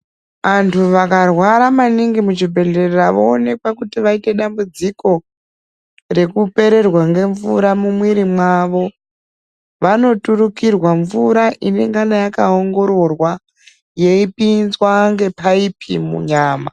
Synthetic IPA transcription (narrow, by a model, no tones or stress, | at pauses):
ʋantʰuʋakarwaɾamaniŋɡimut͡ʃibʱe̞ɮe̞reraʋoone̞kwakutiʋaite̞ɗambud͡ziko̞ | re̞kupe̞ɾe̞rwaŋɡe̞ɱvṵɾamumwiɾimwaʋo̞ | ʋano̞tuɾukirwaɱvuɾaʔine̞ŋɡanajakao̞ŋɡo̞ɾo̞rwa | je̞ipinzwaŋɡe̞paipimṵɲaːma̰